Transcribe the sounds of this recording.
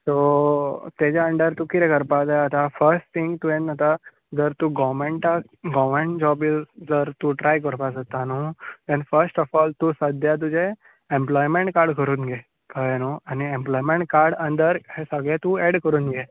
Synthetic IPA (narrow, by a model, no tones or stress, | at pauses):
so | t̪ed͡ʑjaəɳɖəɾt̪ukit̪ɛkəɾpad͡zajət̪afəɾsʈt̪ʰiŋɡt̪uẽnat̪a | d͡zəɾt̪uɡɔmẽɳʈa | ɡɔmẽɳʈd͡ʑɔbild͡zəɾt̪uʈɾajkəɾpas̬ət̪anoũd̪ɛ̃nfəɾsʈɔfɔːlt̪usəd̪ʱjat̪̬ud͡ʑe | emplɔjmẽɳʈkaɾɖkʰəɾuːnɡe | kajnoañiẽmplɔjmẽɳʈ̚kaɾɖə̃nd̪əɾhesəɡɭet̪ueɽkəɾuːnɡe